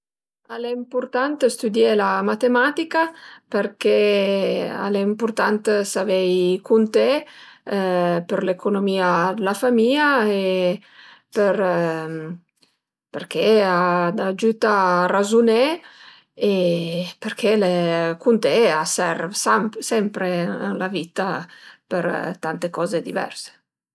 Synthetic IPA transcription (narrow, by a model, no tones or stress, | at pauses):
aleimpuɾt̪ant̪əst̪ud̪jelamat̪emat̪ikapəɾke | a̰leimpuɾt̪ant̪savejkunt̪e | pəɾlekunomiad̪əlafamiae | pəɾ | pəɾkʰead̪ad͡ʒyt̪arazune | epəɾkʰelekunt̪easɛɾsampsɛmpɾeə̰nlavit̪apəɾt̪ant̪ekɔzed̪ivɛ̰ɾse̥